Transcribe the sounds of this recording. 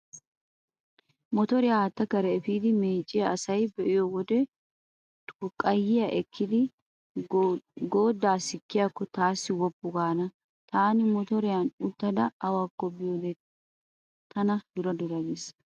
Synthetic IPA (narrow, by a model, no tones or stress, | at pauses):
mɔt̪ɔɾɪjat̪ːɐkɐɾɛːfiːd̪ɪmeːt͡ʃʼːɪjɐːsɐjbɛʔɪjɔwɔd̪ɛ | ʊkʼɐjːɪjɐʔɛkʰːɪd̪ɪ | ɡoːd̪ːaːsɪkːɪjakːɔt̪aːsːɪwɔbːʊɡaːnɐ | t̪aːnɪmɔt̪ɔɾɪjanʊt̪ːɐd̪ɐːwakːɔbɪjoːd̪ɛ | t̪ɐnɐd̪ʊɾɐd̪ʊɾɐɡes